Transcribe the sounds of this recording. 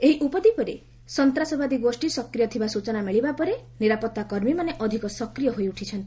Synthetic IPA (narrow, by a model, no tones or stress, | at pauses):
eɦiʔupɔd̪ipɔɾḛ | sɔnt̪ɾasɔbad̪iɡosʈisɔkɾijɔt̪ʰibasut͡ʃɔnameɭibapɔɾeniɾapɔt̪ːakɔɾmimaneʔɔd̪ʱikɔsɔkɾijɔɦoiuʈʰit͡ʃʰɔnt̪i